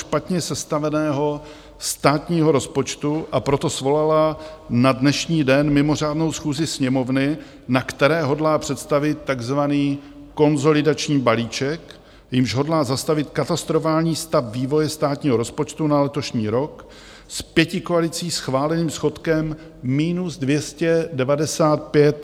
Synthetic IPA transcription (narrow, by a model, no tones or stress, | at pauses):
ʃpat̪ɲɛsɛst̪avɛnɛːɦo̞ | st̪aːt̪ɲiːɦo̞ɾo̞spo̞t͡ʃt̪uʔapɾo̞t̪o̞svo̞lalanadnɛʃɲiːdɛnmɪmo̞r̝aːdno̞wsxuːzɪsɲɛmo̞vnɪ | nakt̪ɛɾɛːɦo̞dlaːpr̝̥ɛt̪st̪avɪt̪ːaɡzvaniː | ko̞nzo̞lɪdat͡ʃɲiːbaliːt͡ʃɛk | jɪmʒɦo̞dlaːzast̪avɪt̪kat̪ast̪ɾo̞faːlɲiːst̪apviːvo̞jɛst̪aːt̪ɲiːɦoɾo̞spo̞t͡ʃt̪unalɛt̪o̞ʃɲiːɾo̞k | spjɛcɪko̞alɪt͡siːsxvaːlɛniːmsxo̞t̪kɛmː | iːnuzdvjɛscɛdɛvadɛsaːt̪̚pjɛt̪̚